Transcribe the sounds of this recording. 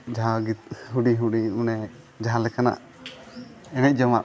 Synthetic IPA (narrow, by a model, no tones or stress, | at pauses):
d͡ʒaɦaɡit̪̚ɦuɖiɦuɖiunɛ | d͡ʒaɦalɛkʰana̰ʔ | ɛnɛc̪̚ˀd͡ʒɔmaʔ